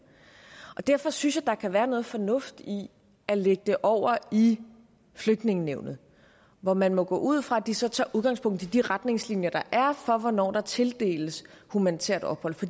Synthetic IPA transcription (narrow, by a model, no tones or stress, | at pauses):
ʔɒ̽d̥æɐ̰fɒ̽synsjɑ̈d̥ɑ̈kʰæʋæːɐnɔ̽ːð̞̩ˠfɒ̽nɔ̽fd̥i | æleɡ̥əd̥eʔɒʊ̰ɐi | fløɡ̥̚d̥ne̝ŋəneʊ̰nð̩ˠ | ʋɒmænmɔ̽ɡ̥ɔ̰ːʔuð̞̰ˠfʁɑ̈æd̥isɒ̽t͡sʰɑ̰̈ːʔuð̞ˠɡ̥ɑ̈ŋspʰɔ̽ŋ̰d̥̩id̥iʁad̥ne̝ŋslinjɐd̥ɑ̈ʔæɐfɒ̽ʋɒnɒ̰ːd̥ɑ̈t͡sʰe̝ld̥e̝̰ːləshumænit͡sʰḛɐd̥ɒ̽b̥hɒ̽l̰fɒ̽d̥i